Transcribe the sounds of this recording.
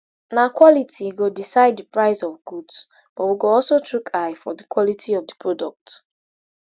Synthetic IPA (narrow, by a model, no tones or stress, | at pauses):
nakwɔlitʰiɡodisaɪd̚dəpɹaɪsɔvɡuds | b̥ɔtwiɡoɔlsotɹukʰaɪfɔdikwɔlitʰiɔvdəpʰɹodɔk̚t